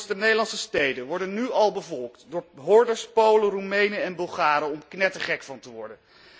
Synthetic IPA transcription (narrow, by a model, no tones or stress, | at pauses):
sdənejdəlɑnsəstejdənʋɔɹdənːyɑlˠbəvɔlˠktdʊːɹɦʊɹdəɹspowlərumejnəɛnbɵlˠχaːɾəɔmknɛtəχɛkfɑntəʋɔ̰ɹdən